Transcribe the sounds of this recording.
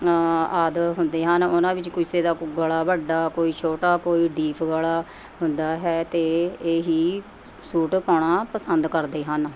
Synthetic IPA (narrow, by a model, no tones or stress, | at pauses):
əd̪ɦʊnd̪eːɦənʊnãːbɪt͡ʃkʊɪseːd̪aːɡəɭaːbəɖaːkoːiːt͡ʃʰoːʈaːkoːiːɖiːpʰɡəɭaː | ɦʊnd̪aːɦɛːt̪eːeːɦiː | suːʈpaːɳaːpəsənd̪kəɾd̪eːɦən